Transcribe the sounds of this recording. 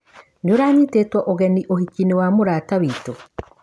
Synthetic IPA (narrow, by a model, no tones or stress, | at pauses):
neoɾaːɲiteːtwɔʔoɣɛniʔohikinewamoɾaːtaβiːto